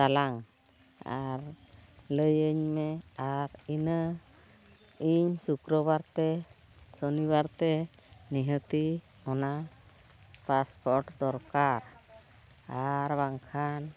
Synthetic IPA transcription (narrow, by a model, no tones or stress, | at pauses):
d̪alaŋ | a̰ɾləjəɲmɛaɾinə | iɲsukɾɔbaɾt̪ɛ | sɔniβaɾt̪ɛniɦət̪i | ɔna | paspɔɾʈd̪ɔɾkaɾ | aɾbaŋkʰan